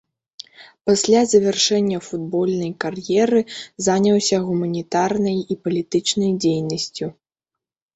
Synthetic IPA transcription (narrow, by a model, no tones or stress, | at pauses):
pasʲlʲazɐvʲɛrʂɛnʲːɐfud̪bɔlʲnɐjkarjɛɾɨzanʲɐwsʲɐɣumɐnʲit̪arnɐjipɐlʲit̪ɨt͡ʂnɐjd͡zʲejnɐsʲt͡sʲu